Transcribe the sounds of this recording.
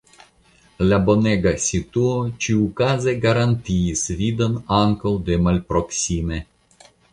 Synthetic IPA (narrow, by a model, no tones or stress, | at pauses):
labo̞neɡasʲit̪uot͡ʃiukazeɡaɾant̪iːsvid̪onaŋkawd̪emalpɾoksʲime